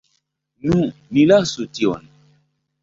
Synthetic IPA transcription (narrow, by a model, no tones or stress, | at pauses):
nũnilasutiɔ̰n